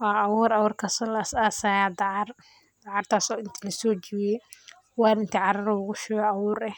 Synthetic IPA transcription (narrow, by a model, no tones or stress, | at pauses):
wɑːʔɐwʊːɾɐwʊːrkʰɐsɔlsaːsaːjaːd̪ɑʕɑr | d̪ɑʕɑrt̪ʰaːsɔːɪnt̪ʰilɐsɔːt͡ʃɪwɪjɛ | wɑːɾɪnt̪ʰiʕɑɾɐɾɔʊɣʊʃɛːɣɔɐwʊːɾɛh